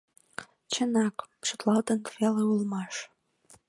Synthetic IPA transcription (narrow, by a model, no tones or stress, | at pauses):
t͡ɕənɑkʃut̪lɑlt̪ənkfeləulmɑʃ